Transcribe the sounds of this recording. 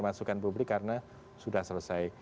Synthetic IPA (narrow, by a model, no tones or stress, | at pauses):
masukanpublɪkːaɾəna | sudahsələsaj